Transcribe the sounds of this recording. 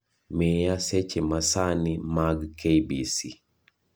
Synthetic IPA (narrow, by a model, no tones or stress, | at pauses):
mejaset͡ʃemasanimaɡkʰebisi